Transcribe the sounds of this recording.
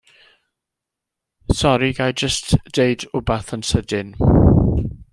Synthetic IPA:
sɔɾiɡajd͡ʒəstd̥eɨdʊbaθənsədɪn

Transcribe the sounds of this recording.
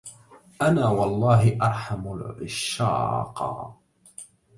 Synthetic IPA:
ʔanaːwɑlˤːɑːɦɪʔɑɾˤħamʊlʕɪ̰ʃːɑ̰ːqɑ̰

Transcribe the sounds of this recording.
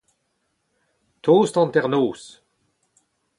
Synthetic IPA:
t̪ʰoːst̪ɑ̃nt̪ɛʁnoːs

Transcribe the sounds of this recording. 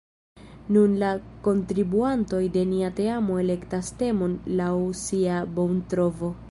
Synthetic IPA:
nunlako̞ntɾibuanto̞jde̞niate̞amo̞e̞le̞ktaste̞mo̞nlawsiabo̞wntɾo̞vo̞

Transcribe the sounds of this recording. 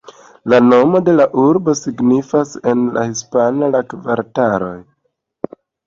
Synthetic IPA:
lano̞mo̞de̞laʔuɾbo̞siɡnifase̞nla̰hispanalakvaɾtaɾo̞̰j

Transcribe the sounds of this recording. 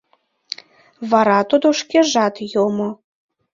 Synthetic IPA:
βɑɾɑt̪od̪oʃkeʒɑt̪jomo

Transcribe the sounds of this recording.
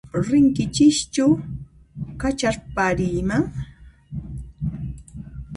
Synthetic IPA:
ɾɪŋkɪt͡ʃɪʃt͡ʃʊ | kat͡ʃaɾpaɾijmaŋ

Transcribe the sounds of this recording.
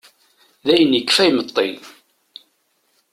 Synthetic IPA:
ðæjənəkːfæjmət̪ˤːi

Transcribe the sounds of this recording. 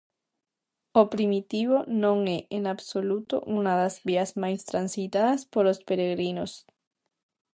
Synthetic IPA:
opɾimit̪iβonõŋeʔenaβsolut̪o̰ʔunaðazβiazmajst̪ɾansit̪aðaspoɾospeɾeɣɾinos

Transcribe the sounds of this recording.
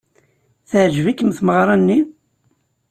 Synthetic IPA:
θəʕʒvikːəmθməʁɾˤɑnːi

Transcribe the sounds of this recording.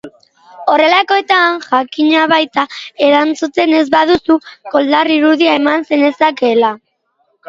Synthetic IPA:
o̞re̞lako̞et̪aŋʝakiɲaβ̞ajt̪aeɾant͡sut̪e̞ne̞zβaðusuko̞ld̪ariɾuð̞iae̞manse̞nesake̞la

